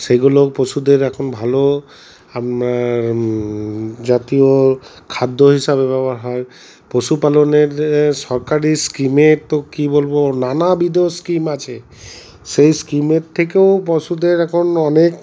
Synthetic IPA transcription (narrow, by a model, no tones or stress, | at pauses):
seɡuloposud̪eɾɛkʰɔnbʱalo | ama | d͡ʒat̪io | kʰad̪ʱːoɦisabebabaɾɦɔe | pɾosupaloneɾsɔɾkaɾiskimet̪okibolbonanabid̪eoskimat͡ʃʰe | sejskimet̪ʰːekeʊp̬ɔsud̪eɾɛkʰonɔnek